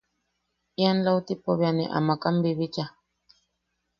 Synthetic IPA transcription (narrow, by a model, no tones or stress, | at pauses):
ianlaut̪ipoβjanḭʔa̰makambiβit͡ʃa